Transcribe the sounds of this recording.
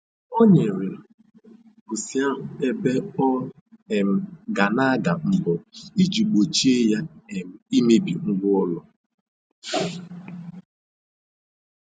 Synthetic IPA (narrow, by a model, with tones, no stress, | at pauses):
o˦ɲe˨ɾɪ˨l | bʊ˨si˦a˦ɦʊ˨e˦be˦ɔ˦ | e˨m̩˨ɡa˨na˦ɡa˨m̩˨bɔ˨i˦d͡ʒu˨ɡ͡bo˨t͡ʃi˦e˦ja˦e˨m̩˨i˦me˦bi˨ŋ̩˦ɡʷʊ˦ɔ˦lɔ˦